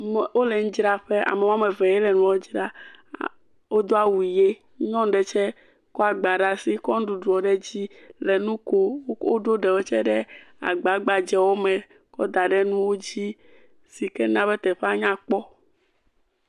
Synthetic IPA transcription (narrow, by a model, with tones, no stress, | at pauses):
m˨wo˦lɛ˨ŋ̩̃˦d͡ʒɾa˦ɸe˦ʔa̰˨mɛ˨wo˦a˦mɛ˨vɛ˨jɛ˦lɛ˨nũ˨˦wo˦d͡ʒɾa˦ | wo˦d̪o˦a˦wu˨i˨je˦ | ɲɔ̃˦ŋ˦ɖɛ˨t͡ʃɛ˦ | kɔ˦a˨ɡ͡ba˨ɖa˨si˦kɔ˦n˦ɖu˨ɖu˨ɔ˨ɖɛ˦d͡ʑi˦lɛ˨nũ˦ko˦wo˦ɖo˦ɖɛ˨wo˦t͡ʃɛ˦ɖɛ˦ | a̰˨ɡ͡ba˨˦ɡ͡ba˨d͡ʒɛ˨wo˦mɛ̃˨ | kɔ˦d̪a˨ɖɛ˦nũ˦wo˦d͡ʑi˦ | si˨kɛ˦nã˦bɛ˦t̪ɛ˨ɸe˦a˦ɲã˦k͡pɔ˦